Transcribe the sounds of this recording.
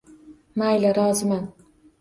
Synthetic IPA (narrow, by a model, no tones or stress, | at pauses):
majlaɾɒzɪman